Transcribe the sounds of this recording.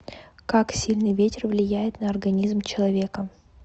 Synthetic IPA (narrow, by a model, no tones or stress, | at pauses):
kaksʲilʲnɨjvʲetʲɪrvlʲɪjæjɪt̪nəɐrɡɐnʲizmt͡ɕɪlˠɐvʲe̞kə